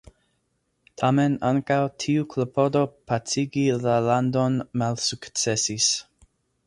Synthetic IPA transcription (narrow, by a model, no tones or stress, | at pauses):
tʰame̞naŋkawtʰiukʰlopʰo̞do̞pat͡siɡilalandonmalsukt͡se̞sis